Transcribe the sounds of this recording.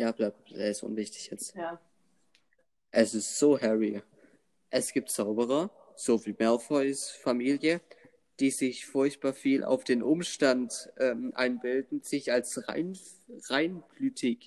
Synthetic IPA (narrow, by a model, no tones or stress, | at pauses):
jaːb̥laːbeɪstʔʊ̰nvɪçtɪ̥çjɛt͡stja | ʔɛsɪstz̥oːhɛʁi | ʔɛsɡ̥iːp̚tz̥aʊbəʁ̞ɐ | z̥oːviːmɛlfɔʏsfamiːljə | d̥iːzɪçfʊɐçt̚b̥aːɐfiːlʔa̰ʊfd̥eːnʔʊmʃtantʔɛːmʔa̰ɪnbɪldn̩z̥ɪçalsʁa̰ɪn | ʁaɪnb̥lyːtʰɪk